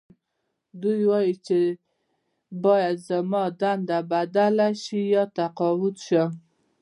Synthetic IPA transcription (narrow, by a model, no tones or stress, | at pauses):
d̪ujwɑjit͡ʃe | bɑjad̪zamɑd̪and̪abad̪alaʃijɑt̪aqɑwʊt̪ʃə